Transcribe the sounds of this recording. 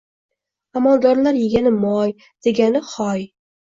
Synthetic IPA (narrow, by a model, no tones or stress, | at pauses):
amand̪ɒɾlaɾjɪɡʲanɪmɒj | d̪̥e̞ɡʲanɪχɒj